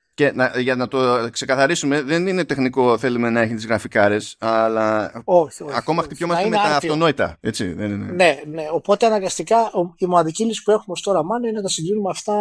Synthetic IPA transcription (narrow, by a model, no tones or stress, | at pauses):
ce̞nɐʝɐnɐt̪o̞kse̞kɐθɐɾisume̞ðe̞nine̞t̪e̞xniko̞θe̞lume̞nɐe̞çit̪izɣɾɐfikɐɾe̞sɐlɐo̞çioɐko̞mɐxt̪ipço̞mɐsiemet̪ɐːft̪o̞no̞it̪ɐ̰et͡sḭðeninene̞ne̞o̞po̞t̪eɐnɐɾɡɐst̪ikɐimonɐðicilisi̥pue̞xumost̪o̞ɾɐmɐnoinenɐt̪ɐsiɡɾinumeɐft̪ɐ